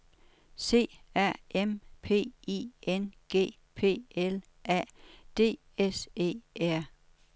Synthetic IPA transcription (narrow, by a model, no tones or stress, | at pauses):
se̝̰ːæɐ̰empʰe̝̰ːḭːenɡ̥e̝̰ː | pʰe̝̰ːel | ʔæ̰d̥e̝̰ː | ese̝̰ːæɐ̰